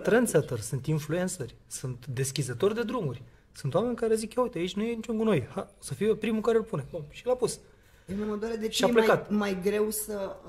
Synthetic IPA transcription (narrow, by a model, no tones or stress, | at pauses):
t̪ɾansat̪ərsunt̪influensərʲ | sunt̪d̪e̞skʲizət̪o̞rʲd̪e̞d̪ɾumurʲ | sunt̪owame̞nʲkaɾezikaujt̪e̞ait͡ʃʲnujenit͡ʃuŋkuno̞jhaosəfijepɾimukaɾelpunebomʃilapus | eneməd̪oaɾed̪eʃiaplekat̪majɡɾe̞wsə